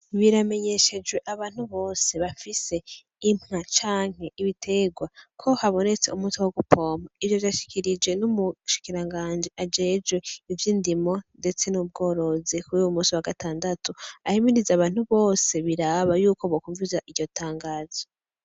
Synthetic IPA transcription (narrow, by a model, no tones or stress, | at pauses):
βiɾame̞ɲe̞ʃe̞d͡ʒwe̞ʔaβaːn̥huβo̞ːse̞βafise̞ | imŋat͡ʃaːŋ̥he̞iβitʰe̞ɡwakʰo̞haβo̞ne̞t͡se̞̰umutiwoɡupo̞ːmoijovjaʃi̥kʰiɾid͡ʒwe̞numuʃi̥kiɾaŋɡaːnd͡ʒiʔad͡ʒe̞d͡ʒwe̞ivjiːndimo̞nde̞t͡se̞nub̚ɡo̞ːɾo̞zikuɾiwumuːsiwaɡatʰaːndatuahimiɾizaβaːn̥uβo̞ːse̞βiɾaβajuːko̞βokuɱvizaʔiɾɟotʰaːŋɡaːzo